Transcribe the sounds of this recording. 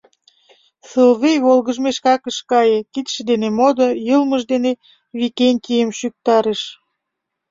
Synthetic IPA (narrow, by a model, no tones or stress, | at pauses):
səlβejβolɣəʒmeʃkɑkəʃkɑjekit̪ʃĕd̪enemod̪ojəlməʒd̪ene | βikenʲt̪ʲijəmʃyk̚t̪ɑɾeʃ